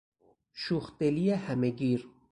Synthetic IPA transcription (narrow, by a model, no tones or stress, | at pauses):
ʃuxt̪elijehameɡiɾ